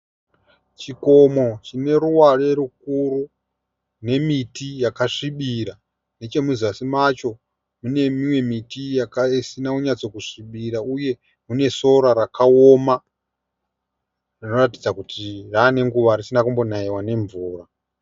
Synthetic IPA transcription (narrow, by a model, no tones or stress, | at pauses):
t͡ʃiko̞mo̞t͡ʃine̞ɾuware̞ɾuk̚uɾu | ne̞mitijakaʂiɓiɾa | ne̞t͡ʃe̞muziasimat͡ʃo̞ | mune̞mimwe̞mitijakaisinauɲat͡so̞kuʂiɓiɾauje̞ | mune̞so̞ɾaɾakaoma | rino̞ratid͡zakutʰiraːne̞ŋɡuʋarisinakumbo̞naiwane̞ɱvuːra